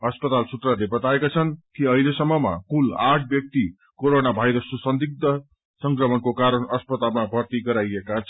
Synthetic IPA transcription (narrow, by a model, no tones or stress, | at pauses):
ʌspʌt̪alsut̪ralebʌt̪aekat͡sʰʌnkiʌɦilesʌmːʌma̰kulaʈʰbjʌk̚t̪i | koɾonabʱajɾʌsosʌnd̪ik̚d̪ʌ | sʌŋkrʌmʌnkokaɾʌnʌspʌt̪almabʱʌrt̪iɡʌɾajekat͡sʰ